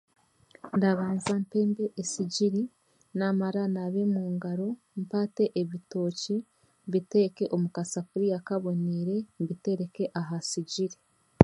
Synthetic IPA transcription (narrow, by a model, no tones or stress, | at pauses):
ndaβaːnzampe̞ːmbe̞ʔesiɟiɾi | namaɾanaβe̞muːŋɡaɾo̞ | mpaːte̞ʔeβito̞ːci | βite̞ːke̞ʔomukasafuɾijakaβo̞niɾe̞βite̞ɾe̞ke̞ʔaɦasiɟiɾi